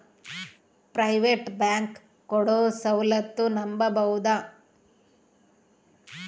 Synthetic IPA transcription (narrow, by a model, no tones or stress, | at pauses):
pɾɐjʋeʈbaːŋkː | ɔɽoːsɐwlɐt̪ːunɐmbɐbɐwud̪ɐ